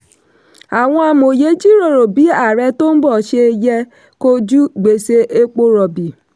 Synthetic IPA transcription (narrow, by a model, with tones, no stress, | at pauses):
a˨wʷɔ̃˦a˨m˨o˨je˦d͡ʒi˦ɾo˨ɾo˨bi˦a˨ɾɛ˦to˦m̩˦bɔ˨ʃe˦je˦ | ko˦d͡ʒu˦ɡ͡be˨se˦ʔe˦k͡po˦ɾɔ˨bi˨